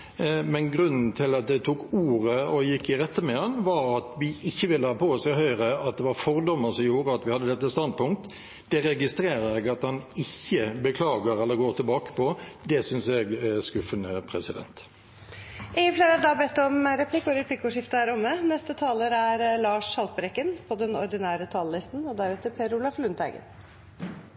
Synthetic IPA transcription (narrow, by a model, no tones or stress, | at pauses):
mɛnɡɾʉnːn̩t̪ʰɪlɑt̪̚d̪ɛt̪ʰuːkuːʁəɔjɪkːɪʁɛt̪ːəmɛɑnʋɑɾɑt̪ʋɪʔɪçːəʋɪlːəhɑpʰoːɔsɛɦœʏʁəɑt̪̚d̪ɛʋɑɾfɔʁd̪ɔmːəɾsɔmjuːɾəɑt̪ʋɪhɑd̪ːəd̪ɛt̪ːəst̪ɑnd̪̚pʊŋk̚t̪ | d̪̥ɛɾɛɡɪst̪ɾeːɾəɛɡɑt̪hɑnɪçːəbəkʰlɑːɡəɾɛlːəɾɡoːɾt̪ɪlbɑːkə̥pʰɔd̪ɛsʏnsɛɡɛskʉfənəpʰʁɛsɪd̪ɛ̰nt̪ | ʔɪɡəfleːɾəd̪ɑbɛt̪ːɔmɾɛpʰlɪkːɔɾəɾpʰlɪkːʊːʂɪft̪əæːɾʊmːənɛst̪ət̪ʰɑːləɾæɾlɑːʂɑlt̪pəɾɛkːənpʰɔd̪ɛnɔɾd̪ɪnæːɾət̪ʰɑːləlɪst̪n̩ɔd̪æɾʉːt̪əpʰeːɾʊlɑflʉnt̪æ̰ɡə̰n